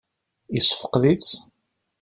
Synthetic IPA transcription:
isːə̥fə̥qðit͡s

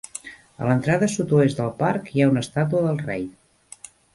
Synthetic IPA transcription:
ə̰lənt̪ɾaðəsut̪uezd̪əlˠpaɾkiaunəst̪at̪uəðəlˠrɛj

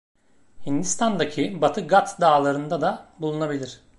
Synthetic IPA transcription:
hind̪ist̪and̪acʰibat̪ʰɯɡat̪ʰd̪aːlˠaɾɯnd̪ad̪abulˠunabilʲiɾ̝̥

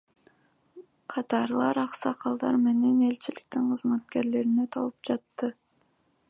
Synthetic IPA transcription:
qʰɑt̪ɑɾlˠɑɾɑqsɑqʰɑlˠd̪ɑɾme̞ne̞ne̞lt͡ʃilik̚t̪iɴqʰɯzmɑt̪̚ke̞ɾle̞ɾine̞t̪ʰo̰lˠup̚d͡ʒɑt̪ːɯ

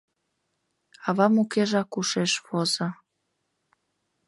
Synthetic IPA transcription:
ɑβɑmukeʒɑkuʃeʃβozə

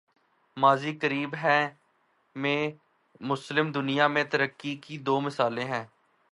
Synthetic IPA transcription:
maːziːkəɾiːbɦɛ̃ː | mẽː | mʊslɪmd̪ʊnɪjaːmẽːt̪əɾəkːikid̪oːmɪsaːlẽːɦɛ̃ː

